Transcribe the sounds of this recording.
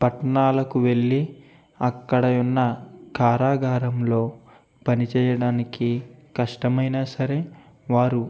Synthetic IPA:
pɐʈɐɳaːlɐkuʋe̞ɭːi | ɐkːɐɽɐjunːɐkʰaːɾaːɡʱaːɾɐmlo̞ː | pɐnit͡ʃɛːjɐɽaːnikikɐʂʈɐmɐjnaːsɐɾe̞ː | ʋaːɾu

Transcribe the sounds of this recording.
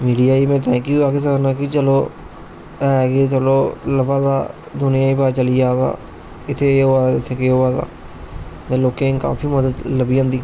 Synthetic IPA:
miːɖiaːimɛ̃ːt̪̬ɛ̃ːkiaːkɪs̬ənaːkit͡ʃəloː | ɛːɡeːt͡ʃəloːləbaːza̰ː | d̪ʊnɪjãːiːpaːt͡ʃəliːaːd̪a̰ː | ɪt̪ʰːeːoːaːɪt̪ʰːeːkeoːaːza̰ː | t̪ẽloːkẽːka̰ːpʰiːməd̪əd̪ləbijãːnd̪iː

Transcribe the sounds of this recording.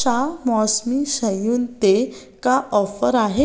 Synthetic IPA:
amɔsmiɕəjuːnt̪e | kaʔɔfəɾaɦe

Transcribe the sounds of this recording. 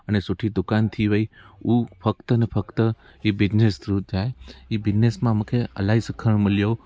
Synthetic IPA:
ənesuʈʰid̪ʊkant̪ʰiʋəiufʰəkt̪ənefəkt̪ə | ibɪd͡ʒnesd̪ɾud͡ʒaeibɪd͡ʒnesmãmə̃kʰeə̰laisəkʰəɳ̃məljo

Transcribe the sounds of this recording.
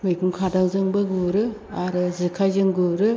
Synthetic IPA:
mɯjɡuŋkʰadaŋzɯŋbɯɡuɾɯ | aɾɯzɯkʰajzɯŋɡɯɾɯ

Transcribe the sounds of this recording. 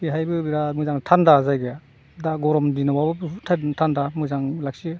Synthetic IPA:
biɦajbɯbiɾamɯzaŋtʰandazajɡea | daɡɔɾɔmdinababɯtʰatʰandamɯzaŋlak̚si

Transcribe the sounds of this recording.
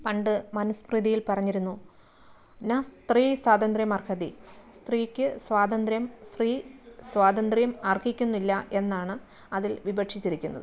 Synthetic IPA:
pɐɳɖɨmɐnɐspriðijilpɐrɐɲːiɾunːu | nɐst̪riːswaːd̪ɐnd̪rjɐmɐrkʰɐðist̪riːkʲːɨswaːd̪ɐnd̪ɾjɐmst̪riːswaːd̪ɐnd̪rjɐmɐrkʰikʲːunːilːɐʔe̞nːaːɳɨ | ɐðilʋibɐʈʂit͡ɕːiɾikʲːunːɐ̰ðɨ̰

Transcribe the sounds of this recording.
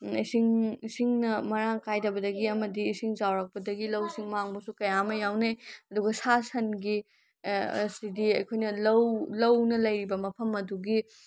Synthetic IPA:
isiŋsiŋnɐmɐɾaŋkajdɐbɐdɐɡiɐmɐdiːsiŋzawɾɐk̚pɐdɐɡilɐwsiŋmaŋbɐsukɐjamɐjawneɐduɡɐsasɐnɡi | sidiɐjkʰojnɐlɐwlɐwnɐlɐjɾibɐmɐpʰɐmɐduɡi

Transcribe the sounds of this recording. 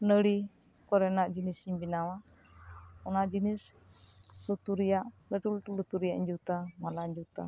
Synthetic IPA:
nəɾi | kɔɾɛnaʔd͡ʒinisibinawa | unaʔd͡ʒinis | lut̪uɾijaʔlətulut̪ulut̪uɾijaʔɲd͡ʒut̪amalaɲd͡ʒut̪a̰

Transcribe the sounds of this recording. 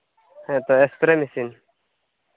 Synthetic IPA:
hɛ̃ʔt̪ɔɛspɾɛmisin

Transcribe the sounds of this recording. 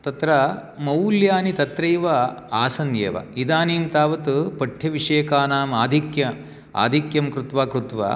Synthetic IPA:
t̪ɐt̪ɾɐmɐwljaːnit̪ɐt̪ɾɐjʋɐaːsɐnjeːʋɐ̰id̪aːniːmt̪aːʋɐt̪upɐʈʰːjɐʋiʂeːkaːnaːmaːd̪ʱikjɐ | a̰ːd̪ʱikjɐmkɾut̪ʋaːkɾut̪ʋa̰

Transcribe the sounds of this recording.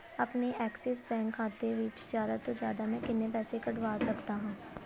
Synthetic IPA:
ɐpneʔɛːksɛs̬bɛ̃ːŋkʰːaːt̪eʋiːt͡ʃzjaːd̪at̪ozjaːd̪amɛ̃kɪnːepɛːsekɐɖʊʋaːsɐkt̪aɦũː

